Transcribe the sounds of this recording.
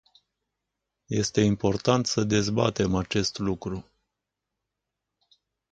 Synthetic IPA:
je̞st̪e̞impo̞rt̪ant̪səd̪e̞zba̰t̪e̞mat͡ʃe̞st̪lukɾu

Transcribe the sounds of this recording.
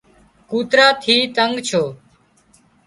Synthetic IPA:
kuːt̪ɾaːt̪ʰiːt̪əŋɡt͡ʃʰoː

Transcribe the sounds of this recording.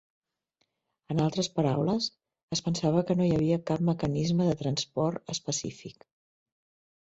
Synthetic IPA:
ənalˠt̪ɾəspəɾawləz | əspənsaβ̞əkənojəβ̞iəkapməkənizməðət̪ɾənspɔɾt̪əspəsḭfik

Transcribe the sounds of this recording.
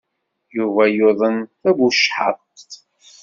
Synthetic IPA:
juvæjoðˤənθæɡuʃħə̰t̪

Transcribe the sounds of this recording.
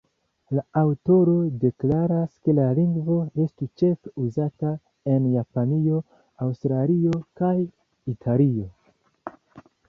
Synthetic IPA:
laawto̞ɾo̞de̞klaɾaske̞laliŋɡvo̞e̞stut͡ʃe̞feuzata | e̞njapanio̞ | awstɾalio̞kaj | itʰalio̞

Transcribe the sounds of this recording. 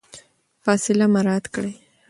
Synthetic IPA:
fɑsɪlamaɾɑt̪kɽe

